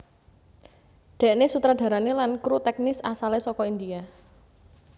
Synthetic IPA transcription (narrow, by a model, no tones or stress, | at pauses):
d̪̥ɛ̤ʔnesut̪ɾad̪̥ä̤ɾanelankɾut̪ɛk̚nɪsasalesɔkɔind̪ia